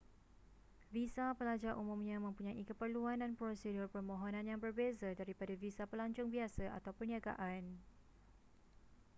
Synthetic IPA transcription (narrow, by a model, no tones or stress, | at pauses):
visapəlad͡ʒarʔumũmɲãmə̃mpuɲãʔikəpərluandanpɾosedʊrpərmõɦonãnjaŋbərbezadaɾipadavisapəlaɲt͡ʃʊŋbiasaʔa̰t̪awpərniaɡa̰ʔan